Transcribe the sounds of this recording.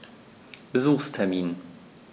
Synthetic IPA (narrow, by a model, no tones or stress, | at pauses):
b̥əzuːxstʰɛɐmiːn